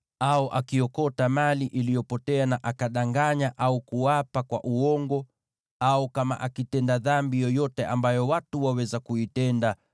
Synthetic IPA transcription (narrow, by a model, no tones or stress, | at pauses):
aɔʔakiɔkɔtamaliʔilijɔpɔtɛanaʔakaɗaŋɡaɲaʔaukuwapakwa̰ʔuɔŋɡɔ | aukama̰ʔakitɛndaðambijɔjɔtɛʔambajɔwatuwawɛzakuitɛnda